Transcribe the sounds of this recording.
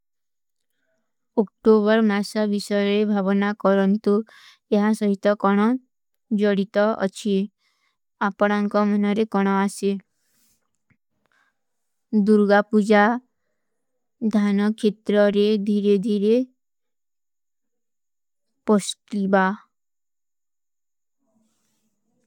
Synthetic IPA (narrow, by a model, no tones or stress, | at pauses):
ok̚ʈoβɔɾmasɔbisɔjɔɾebʱabɔnakɔɾɔnt̪u | eɦasɔɦit̪ɔkɔɽ̃ɔ | d͡ʒɔɽit̪ɔɔ̰t͡ʃʰi | apɔɽ̃aŋkɔmɔnɔɾekɔɽ̃ɔase | d̪uɾɡapud͡ʒa | d̪ʱanɔkʰet̪ɾɔɾed̪ʱiɾed̪ʱiɾe | pɔskiba